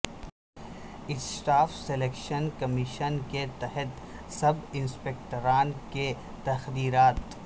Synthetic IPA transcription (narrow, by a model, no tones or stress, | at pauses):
ɪsʈaːfseleːkʃənkɐmiʃənket̪ɛɦɛt̪ | sɐbɪnspeːk̚ʈəɾaːnke | t̪ɐxd̪iːɾaːt̪